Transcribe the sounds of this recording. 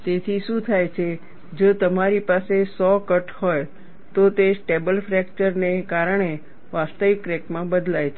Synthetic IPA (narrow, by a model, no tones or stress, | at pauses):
t̪et̪ʰiʃũt̪ʰajt͡ʃʰe | d͡ʒot̪əmaɾipasesɔkəʈhoj | t̪ot̪esʈebəlfɾɛkt͡ʃəɾnekaɾəɳ̃e | ʋast̪əʋikːɾekmãbəd̪lajt͡ʃʰe